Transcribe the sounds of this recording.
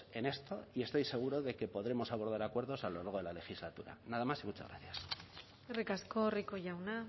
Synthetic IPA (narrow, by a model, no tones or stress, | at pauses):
e̞ne̞st̪o̞ie̞st̪o̞jse̞ɣ̞uɾo̞ðe̞ke̞po̞ðɾe̞mo̞saβo̞ɾð̞aɾakwe̞ɾðo̞salolaɾɣo̞ðe̞lale̞xizlat̪uɾa̰naðamasimut͡ʃa̰ɣɾa̰θjas | erikasko̞rikoʝawna